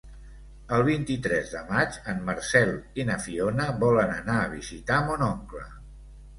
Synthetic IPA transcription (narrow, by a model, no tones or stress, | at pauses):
əlˠβ̞int̪it̪ɾɛzðəmad͡ʒəmːəɾsɛlˠinəfionəβɔlənənaəβ̞izit̪aəmonɔŋklə̰